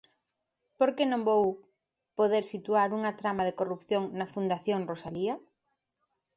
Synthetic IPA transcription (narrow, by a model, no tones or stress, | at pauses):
poɾkenõmbow | poðeɾsit̪uaɾuŋɐt̪ɾamaðekorupθjoŋnɐfund̪aθjoŋrosaliɐ